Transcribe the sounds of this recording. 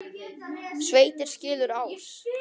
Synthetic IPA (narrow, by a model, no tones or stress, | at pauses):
sveːjt̪ɪɾ̥scɪːlʏɾaws